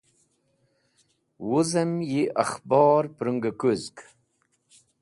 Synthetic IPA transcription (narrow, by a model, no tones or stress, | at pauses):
wuzəmjiʔaχbɑːɾpɾuŋɡakuzk